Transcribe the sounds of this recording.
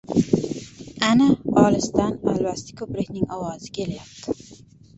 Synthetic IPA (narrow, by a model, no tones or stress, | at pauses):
anaɒlɪst̪ana̰lbast̪ḁkʲʰɵplɪkʲnɪŋɒwɒzɪ̥kʲʰe̞ljap̚t̪ʰɪ